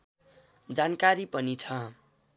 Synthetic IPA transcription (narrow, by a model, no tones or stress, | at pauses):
d͡zankaɾipʌnit͡sʰʌ